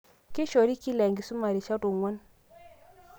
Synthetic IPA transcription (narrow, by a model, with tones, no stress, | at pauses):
ki˦ʃɔ˨ɾi˦ki˦lɛ˨ŋɡi˨su˦ma˨ɾi˨t͡ʃa˦du˨ŋwa˦n